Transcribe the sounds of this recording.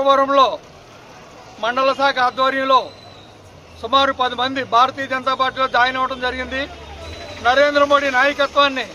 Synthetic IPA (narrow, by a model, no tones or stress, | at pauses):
ɐʋɐɾɐmlo̞ː | mɐɳɖɐlɐsaːkʰɐaːd̪ʋɐːɾjɐmlo̞ː | sumaːɾupɐd̪imɐnd̪ibʱaːɾɐt̪iːjɐd͡ʒɐnt̪aːpaːɾʈːiːlo̞ːd͡ʒaːjɐnɐʋːɐʈɐmd͡ʒɐɾiɡind̪i | nɐɾe̞ːnd̪ɾɐmo̞ːɽiːnaːjɐkɐt̪ʋaːnːi